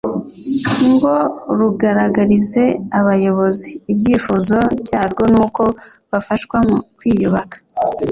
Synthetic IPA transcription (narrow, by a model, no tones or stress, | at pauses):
ŋɡo̞ɾuɡaɾaɡaɾize̞aβajo̞βo̞ziːbɟiːfuzo̞bɟaːɾɡo̞nuːko̞ | βafaʃwamukwiːjuβakḁ